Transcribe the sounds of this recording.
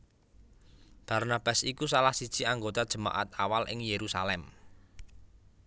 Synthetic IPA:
b̥a̤rnab̥asikusalahsid̥ʒ̥iaŋɡot̪ad̥ʒ̥ə̤ma̰ʔat̪̚awalʔɪ̰ŋjeɾusalɛm

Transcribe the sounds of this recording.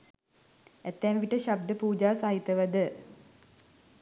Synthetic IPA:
æt̪ːɛnʋiʈəʃab̚d̪əpuːd͡ʒaːsaɦit̪əʋəd̪ə

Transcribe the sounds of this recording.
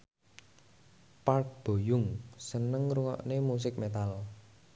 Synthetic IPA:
park̚b̥o̤jʊŋsənəŋruŋɔ̰ʔnemus̬ɪk̚met̪al

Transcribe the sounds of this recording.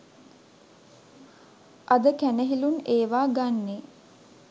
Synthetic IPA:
ʔad̪əkænəɦiluneːʋaːɡanːe

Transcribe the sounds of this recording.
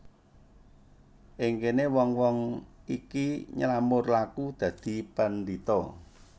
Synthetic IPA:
ʔɪŋkenewɔŋwɔŋikiɲlamʊrlakud̪̥ä̤d̪̥i̤pənd̪it̪ɔ

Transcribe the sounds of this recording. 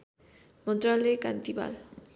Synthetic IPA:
mɔnt̪ralekant̪iba̰l

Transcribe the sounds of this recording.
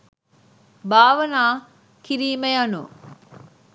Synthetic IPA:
baːʋənaː | kiɾiːməjanṵ

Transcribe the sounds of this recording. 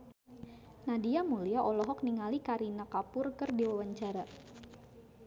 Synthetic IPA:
nadiamuliaʔɔlɔɦɔk̚niŋalikaɾinakapʊrkɨrdiwawaɲt͡ʃaɾa

